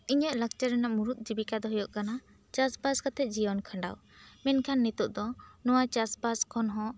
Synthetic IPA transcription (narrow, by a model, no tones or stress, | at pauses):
iɲəʔlak̚t͡ʃaɾɛnaʔmuɾut̪̚ˀd͡ʒibikad̪ɔɦɔjɔʔkana | t͡ʃasbaskat̪ʰɛt̪̚ˀd͡ʒijɔnkʰə̃ɳɖa̰w | mɛnkʰanːit̪uʔd̪ɔnɔwat͡ʃasbaskʰɔnɦɔ̃